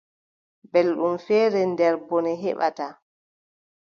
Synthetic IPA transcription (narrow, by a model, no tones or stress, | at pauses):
bɛlɗumfɛːɾɛndɛɾbɔnɛɦɛ̰ɓa̰ta